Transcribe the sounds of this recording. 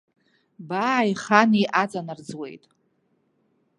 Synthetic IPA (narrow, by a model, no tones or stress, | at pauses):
baiχaniʔat͡sʼanɨrd͡zwe̞̰jtʼ